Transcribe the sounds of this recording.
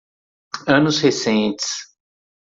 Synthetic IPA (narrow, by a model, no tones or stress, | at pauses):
ɐ̃nʊshesẽnt͡ʃɪ̥s